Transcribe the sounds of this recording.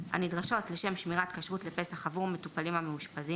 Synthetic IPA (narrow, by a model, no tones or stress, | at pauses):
ha̰nidʁaʃo̞tleʃe̞mʃmiʁatkaʃʁutlepesaχavuʁme̞tupalimhameuʃpazi